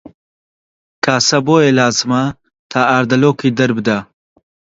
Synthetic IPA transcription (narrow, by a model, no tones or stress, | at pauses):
kʰaːsɐboːjelaːzɨmɐ | t̪ʰaːaːɾd̪ɐloːkʰiːd̪ɐɾbɨd̪a